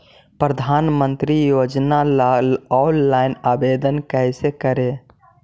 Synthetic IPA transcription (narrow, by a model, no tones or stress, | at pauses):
pɾəd̪ʱanmənt̪ɾijod͡ʒnalaɔnːaɪnabed̪ənkəjsekəɾe